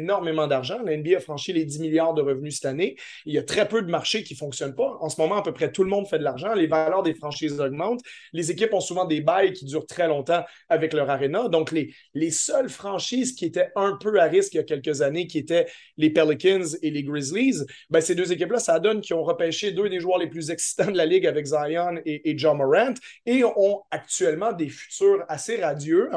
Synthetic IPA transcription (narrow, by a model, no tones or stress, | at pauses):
enɔʁmemɑ̃d̪aʁʒɑ̃laɛnbiafχɑ̃ʃiled̪imiljaːʁd̪əʁəvnysɛ̥t̪ane | ejat̪χɛpød̪əmaʁʃekʲifɔ̃ksjɔnpaɑ̃səmɔmɑ̃apøpχɛt̪uləmɔ̃d̪fɛd̪əlaʁʒɑ̃levalœːʁd̪efχɑ̃ʃiːzɔɡ̚mɑ̃t̪lezekʲɪpɔ̃suvɑ̃d̪ebajkʲid̪yːʁt̪χɛlɔ̃t̪ɑ̃ | avɛklœːʁaʁenad̪ɔ̃kle | lesœlfχɑ̃ʃiːzkʲiet̪ɛɛ̃pøaʁɪskjakʲɛlkəzanekʲiet̪ɛ | lepɛlikʲɪnzeleɡʁizliz | bɛ̃sed̪øːzek̬ʲɪplasad̪ɔnkʲiɔ̃ʁəpɛʃed̪ød̪eʒwœːʁleplyzɛksi̥t̪ɑ̃d̪əlalɪɡavɛkzajaneʔːd͡ʒamɔʁɛ̃nt̪eɔ̃ak̚t̪ɥɛlmɑ̃d̪efy̥t̪yːʁaseʁad̪jø